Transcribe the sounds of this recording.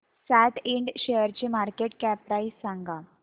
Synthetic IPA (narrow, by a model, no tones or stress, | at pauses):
sæʈ̪ʰiɳɖɕejəɾt͡ɕimaɾkeʈkɛp̚ːɾaissãŋɡa